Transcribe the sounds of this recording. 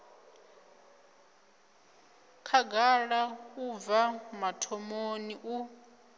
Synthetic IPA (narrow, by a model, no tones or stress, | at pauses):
kʰaɡaɺakuvamatʰɔmoniʔu